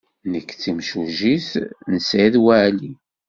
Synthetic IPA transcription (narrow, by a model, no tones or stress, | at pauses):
nəkːt͡sːimʃuʒisnəsʕiðwæʕli